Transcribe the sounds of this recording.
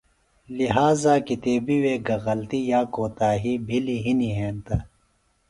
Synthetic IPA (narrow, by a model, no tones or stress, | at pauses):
liɦaːzaːkit̪eːbiweːɡɐɣɐlt̪ijaːkoːt̪aːɦibʱiliɦiniɦẽːnt̪ɐ